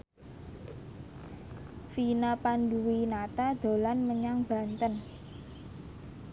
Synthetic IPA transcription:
finapanduwinat̪ad̪̥o̤lanməɲaŋb̥a̤nt̪ən

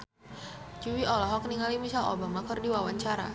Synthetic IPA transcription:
d͡ʒuwiɔlɔɦɔkniŋalimisalɔ̰bamakɔrdiwawaɲt͡ʃaɾa̰

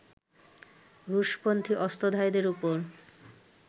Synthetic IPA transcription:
ɾuʃpont̪ʰiʔɔst̪od̪ʱaed̪eɾupoɾ

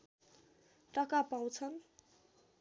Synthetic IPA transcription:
ʈʌkapãw̃t͡sʰʌn

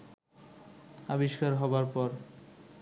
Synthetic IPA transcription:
abiʃkaɾɦɔbaɾpɔɾ

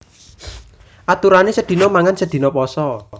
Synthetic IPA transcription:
ʔat̪uɾanesəd̪̥i̤nɔmaŋansəd̪̥i̤nɔpɔsɔ

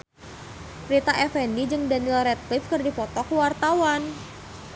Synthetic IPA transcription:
pɾit̪aʔɛfɛndid͡ʒɨŋdanilɾɛt̪̚lɪfkərdipɔt̪ɔkwart̪awan

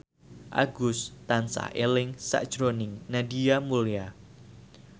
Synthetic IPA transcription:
ʔa̰ɡʊst̪ansa̰ʔelɪŋsa̰ʔd̥ʒ̥ɾonɪŋnadiamulia

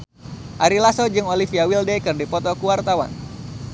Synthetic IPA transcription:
ʔaɾilasod͡ʒɨŋolifiawildɛkɨrdipɔt̪ɔkuwart̪awa̰n

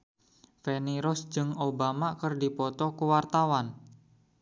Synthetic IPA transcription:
feniɾɔsd͡ʒɨŋobamakərdipɔt̪ɔkəwart̪awan

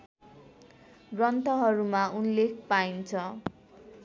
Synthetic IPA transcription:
rʌnt̪ʌɦʌɾumaunlek̚ʰpaint͡sʰʌ

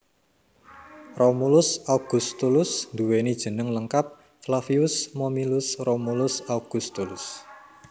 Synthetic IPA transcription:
romulʊsawɡ̥ṳst̪ulʊsnd̪uwenid̥ʒ̥ə̤nəŋləŋkap̚ | flafiʊsmomilʊsromulʊsauɡ̥ust̪ulʊs

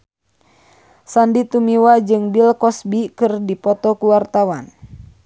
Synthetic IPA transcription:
sandit̪umiwad͡ʒɨŋbilkɔsbikɨrdipɔt̪ɔkuwart̪awan

